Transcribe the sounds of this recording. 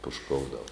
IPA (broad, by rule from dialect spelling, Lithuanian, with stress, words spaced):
pʊʃˈkoːʊdɐw